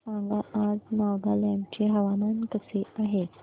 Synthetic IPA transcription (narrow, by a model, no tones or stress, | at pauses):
ãŋɡaʔad͡znaɡaljamt͡ɕeɦəʋamankəseaɦe